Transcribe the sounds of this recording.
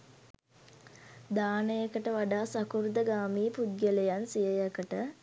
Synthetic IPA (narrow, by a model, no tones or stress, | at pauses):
d̪aːnəjəkəʈəʋaɖaːsakuɾd̪əɡaːmiːpud̪̚ɡelejansijəjəkəʈə